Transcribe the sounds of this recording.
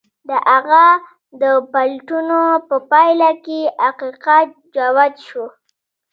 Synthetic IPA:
d̪əʔaɣa | d̪əpalʈunopəpajlakeaqiqat̪̚ | d͡ʒawad̪ʃo

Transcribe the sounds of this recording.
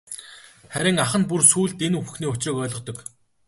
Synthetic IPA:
χæɾʲɪ̆ŋaχə̆n̚pursuːɮt̪enuxxniːʊt͡ɕrɪ̆ːkœːɮʁɞ̆qt̪ɞ̆k

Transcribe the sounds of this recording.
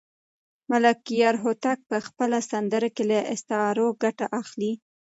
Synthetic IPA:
malakijɑɾɦot̪ak̚pəxpəlasand̪əɾakelaʔɪst̪ɑɾoɡaʈaʔaxli

